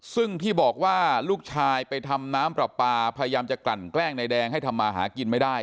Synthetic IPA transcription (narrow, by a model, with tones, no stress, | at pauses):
sɯ˥˩ŋt̪ʰiː˥˩bɔː˨˩k̚waː˥˩luː˥˩k̚t͡ɕʰaː˧jpa˧jt̪ʰa˧mnaː˦˥mpɾa˨˩pːaː˧pʰa˧ja˧jaː˧mt͡ɕa˨˩kla˨˩nklɛː˥˩ŋna˧jdɛː˧ŋɦa˥˩jt̪ʰa˧mːaː˧ɦa̰ː˩˦ki˧nma˥˩jdaː˥˩j